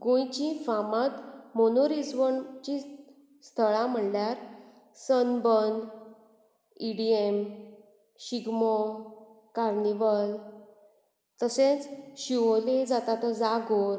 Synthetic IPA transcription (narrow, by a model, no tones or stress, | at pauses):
ɡõjt͡ɕĩfamãt̪monoɾid͡zʋəɳt͡ɕi | st̪ʰəɭãm̤əɳljaɾ | sənbənd̪ | iɽiem | ɕiɡmo | kaɾniʋəl | t̪əsẽt͡sɕiʋoled͡zat̪at̪əd͡zaɡoɾ